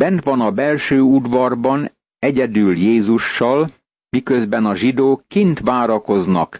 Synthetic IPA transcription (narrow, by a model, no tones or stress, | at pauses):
bɛnt̪ʋɒnɒbɛlʃøːud̪ʋɒrbɒn | ɛɟɛd̪yljeːzuʃːɒl | mikøzbɛnɒʒid̪oːkːint̪ʋaːɾɒko̞znɒ̰k